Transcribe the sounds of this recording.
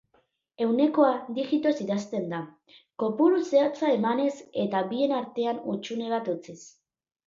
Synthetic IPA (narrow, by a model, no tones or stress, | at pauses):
e̞wne̞ko̞ad̪ixit̪o̞siðast̪e̞nd̪a | ko̞puluseat͡sae̞mane̞se̞t̪aβie̞naɾt̪e̞anut͡ʃune̞β̞at̪ut͡ses